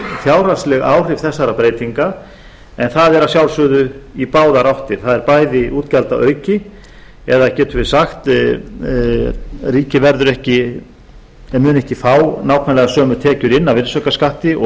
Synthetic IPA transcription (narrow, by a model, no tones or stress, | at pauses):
θjaːwr̥ḁslɛɣa̰ːwr̥ɪv̥θɛsːaɾapɾeːjt̪iŋka | ɛnθaðɛɾasjawlsʏðʏipaːwðaɾawht̪ɪɾ̥θaðɛɾpaːjðɪʔuːt̪calt̪aʔœːɥcɪ | ɛðacɛːt̪ʏɾvɪ̥saxt̪ | riːcɪvɛɾðʏɾɛhcɪ | mʏːnɛhcɪfaːwnaːwkʰvanlɛɣasœːmʏt̪ʰɛːcʏɾɪnːavɪnsœkaskaht̪ɪɔ